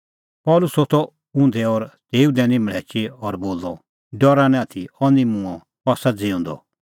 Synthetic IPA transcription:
pɔːlʊsot̪ʰɔ | ʊ̃nd̪ɛɔɾd̪eːud̪ɛ̃nĩmɭ̤ɛːt͡ʃeɔɾboːlɔ | ɖɔɾanɛ̃at̪ʰiɔnimũɔ̃ | pasad͡zɪũːnd̪ɔ̰

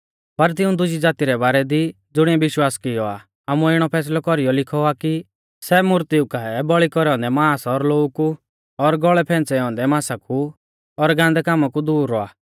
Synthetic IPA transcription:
pɐɾt̪̬ɪũd̪ʊd͡ʒid͡zaːt̪iɾɛbaːɾɛd̪i | d͡zʊɽ̃ɛ̃bɪʃwaːskɪjɔa | aːmuɪɽ̃ɔpʰɛːs̬lɔkɔɾijɔlɪkʰɔaki | sɛmʊɾt̪iukaɛbɔɭikɔɾɛɔ̃nd̪ɛmãːsɔɾloːuku | ɔɾɡɔɭɛpʰɛ̃ːnt͡sɛɔ̃ːnd̪ɛmãːsaku | ɔɾɡãːnd̪ɛkaːmakud̪uːɾːɔa̰ː

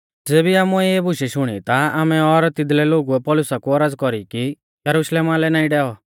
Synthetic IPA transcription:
d͡zeːbiaːmuɛebʊʃɛʃʊɽ̃ḭt̪aaːmɛɔɾt̪ɪd̪lɛloːɡuɛpɔːlʊsakuɔɾad͡zkɔɾiki | jɐɾuʃleːmalɛnaːĩɖɛːɔ

